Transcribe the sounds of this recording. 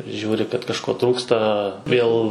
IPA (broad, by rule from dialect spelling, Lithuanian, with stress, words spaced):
ʒʲuːrʲɪ kɐt kɐʃˈkoː ˈtruːkstɐ ˈʋʲeːlˠ